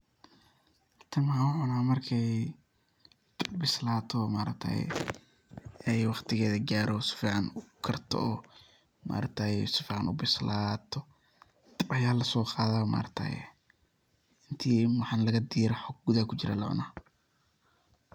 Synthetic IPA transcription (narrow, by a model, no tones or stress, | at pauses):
t̪ʰɐmʊʕʊnaːmɐrkʰɛj | bbɪslaːt̪ʰɔmaːɾɐ̰k̚t̪ʰɐ̰j̰ | ɛjwɑqt̪ʰɪɣɛːðɐɡaːɾɔsɪ̥fiːʕɑnʊkʰɐrt̪ʰɔ̰ɔː | ma̰ːɾɐk̚t̪ʰɐjsɪfiːʕɑnʔʊ̰bɪslaːt̪ʰɔ | ɐjaːlɐsɔːqɑːðaːma̰ːɾɐk̚t̪ʰɐ̰j̰ | ʔɪnt̪ʰiːwɑħɑnlɐɣɐd̪iːɾɛħɔɡ̚ɡʊðakʰʊt͡ʃɪɾɛ̰lɐʕʊ̰naː